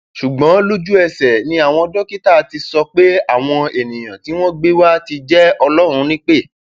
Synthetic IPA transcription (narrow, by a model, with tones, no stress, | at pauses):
ʃu˨ɡ͡bɔ̃˨˦lu˦d͡ʒu˦ɛ˧sɛ˨nĩ˧a˨w̃ɔ̃˧ɔ˧dɔ˦ki˦ta˦˨˦ti˧sɔ˧k͡pe˦a˦˨w̃ɔ̃˧e˨nĩ˨j̃ã˨ti˨˦w̃ɔ̃˦ɡ͡be˦wa˦ti˧d͡ʒɛ˦ɔ˧lɔ˦ɾ̃ũ˧nĩ˦k͡pe˦˨